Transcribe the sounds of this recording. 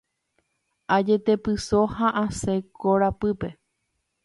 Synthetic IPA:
ad͡ʒe̞t̪e̞pɨsohãʔãsekʰoɾapɨpe̞

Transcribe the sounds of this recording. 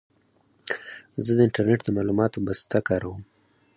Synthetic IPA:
zəd̪əɪɳʈaɾneʈd̪əmɑlumɑt̪obast̪akɑɾawəm

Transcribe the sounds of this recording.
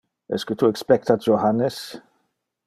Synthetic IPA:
ɛ̰skət̪ʰuɛkspɛk̚t̪at̚d͡ʒohanːəs

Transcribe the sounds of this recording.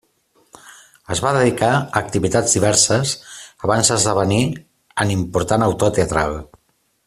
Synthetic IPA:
əzβaðəðikaək̚t̪iβit̪ad͡zðiβɛɾsəsəβanzðəzðəβəni | ənimpuɾt̪anəwt̪ot̪eət̪ɾa̰lˠ

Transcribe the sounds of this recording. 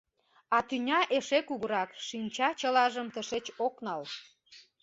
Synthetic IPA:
ɑt̪ynʲɑʔeʃekuɣəɾɑkʃinʲt͡ɕɑt͡ɕəlɑʒəmt̪əʃet͡ɕoknɑl

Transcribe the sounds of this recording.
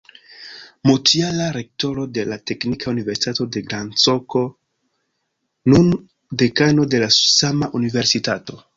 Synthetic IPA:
motialaɾe̞k̚to̞ɾo̞de̞late̞knikʰaunive̞ɾsi̥tato̞de̞ɡɾant͡so̞ko̞ | nun | de̞kano̞de̞lasamaʔunive̞ɾsitato̞

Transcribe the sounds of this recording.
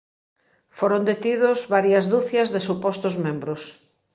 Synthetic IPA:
foɾond̪et̪iðʊzβaɾjɐzðuθjɐzðesupɔst̪ʊzmẽmbɾʊs

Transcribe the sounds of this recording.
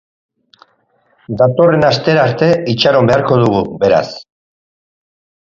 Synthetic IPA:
d̪at̪o̞re̞nast̪e̞ɾaɾt̪e̞it͡ʃaɾo̞mbeaɾko̞ð̞uɣ̞ube̞ɾa̰s

